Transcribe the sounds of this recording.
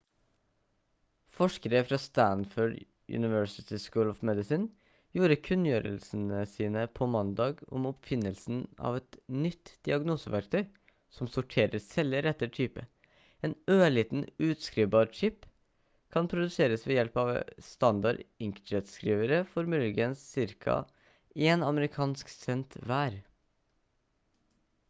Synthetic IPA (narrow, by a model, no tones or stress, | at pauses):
fɔʂkəɾəfɾɑst̪ænfœɖ | ʉ̰nɪʋœɹsɪt̪ʰɪskuːlɔfmɛd̪ɪsɪn | juːɾəkʰʉnːjøːɾə̰lsənəsiːnəpʰɔmɑnd̪ɑːɡɔ̰mɔpfɪnːəlsn̩ɑ̰ʋɛt̪nʏt̪ːd̪̥ɪɑɡnuːsəʋæɾk̚t̪ʰœʏ | sɔmsʊʈʰeːɾəɾsɛləɾɛt̪ːət̪ʰyːpə | eːnøːɭiːt̪n̩ʉːt̪skɾiːʋbɑːɾt͡ʃɪp | kʰɑnpʰɾʊd̪ʉseːɾəsʋɛːjɛlpɑʋst̪ɑnd̪ɑɖɪŋkət̪skɾiːʋəɾəfɔɾmʉlɡənsːɪɾkʰɑ̰ | eːnɑməɾɪkʰɑːnsksɛnt̪ʋæːɾ